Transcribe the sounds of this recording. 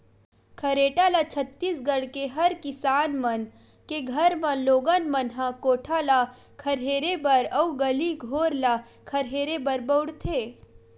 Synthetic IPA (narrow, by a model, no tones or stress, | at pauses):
kʰɐɾeːʈalat͡ʃʰət̪ːisɡəɽkeɦɐɾkɪsaːnmɐn | keɡʱɐɾmãloːɡənmənɦãkoːʈʰala | kʰɐɾɦeːɾebəɾɐuɡəliɡʱoːɾla | kʰəɾɦeːɾebəɾbəʊɽt̪ʰeː